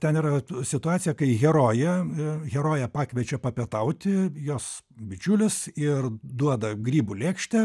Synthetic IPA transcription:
t̪ʲɛniːɾɐsʲɪt̪ʊɑːt̪sʲɪjɛkɐɪɣʲɛɾoːjɛɣʲɛɾoːjɛpɑːkʋʲɛt͡ʃʲɛpɐpʲiɛt̪ɐʊt̪ʲɪjoːs | bʲɪt͡ʃʲʊlʲɪsɪrd̪uɔd̪ɐɡɾʲiːbuːlʲeːkʃʲt̪ʲɛ

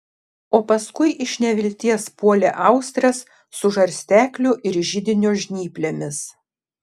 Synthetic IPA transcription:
oːpɐskʊɪʔɪʃʲnʲɛʋʲɪlʲt̪ʲiɛspuɔlʲeʔɐˑʊsʲt̪ʲɾɐsː | ʊʒɐɾʲsʲt̪ʲæːkʲlʲʊʔɪɾʒʲɪd̪ʲɪnʲoːʒʲnʲiːpʲlʲemʲɪs

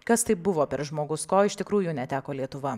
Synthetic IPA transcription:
kɐst̪ɐɪp̚bʊʋoːpʲɛɾʒmoːɡʊskoːɪʃt̪ʲɪkɾuːjʊnʲɛt̪ʲæːkoːlʲiɛt̪ʊʋɐ

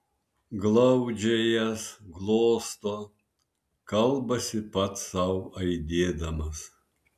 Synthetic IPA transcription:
ɡlˠɐʊd͡ʒʲɛjɛsɡlˠoːst̪oː | kɐlˠbɐsʲɪpɐt̪sɐʊɐɪd̪ʲeːd̪ɐmɐs

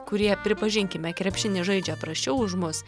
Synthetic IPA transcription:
kʊɾʲiɛpʲɾʲɪpɐʒʲɪŋʲkʲɪmʲɛkɾʲɛpʲʃʲɪnʲɪʒɐɪd͡ʒʲɛpɾɐsʲt͡ʃʲɛʊʊʒmʊs

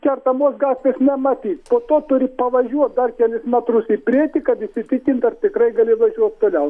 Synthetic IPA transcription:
kʲɛrt̪ɐmoːsɡɑːt̪ʲʋʲeːsnʲɛmɐt̪ʲiːt̪poːt̪oːt̪ʊɾʲɪpɐʋɐʒʲuɔt̪̚d̪ɐrkʲælʲɪsmʲæt̪ɾʊsipʲɾʲiɛt̪ʲɪkɐt̪ɪʃsʲɪt̪ʲɪkʲɪnt̪ɐrt̪ʲɪkɾɐɪɡɐlʲɪʋɐʒʲuɔt̪̚t̪oːlʲɛʊ

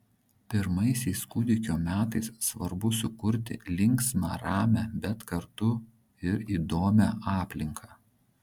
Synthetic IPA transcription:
pʲɪɾmɐɪsʲɛɪskʊd̪ʲɪkʲoːmʲæːt̪ɐɪssʋɐɾbʊsʊkʊɾʲt̪ʲɪ̰lʲɪŋksmɑ̰ɾɑːmʲæbʲɛt̪kɐɾt̪ʊ | ɪɾiːd̪oːmʲæʔɑːpʲlʲɪŋkʰɑː

